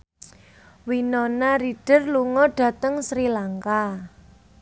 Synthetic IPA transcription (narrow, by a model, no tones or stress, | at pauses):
winɔnaɾiɖ̥ə̤rluŋɔɖ̥ä̤t̪əŋsɾilaŋka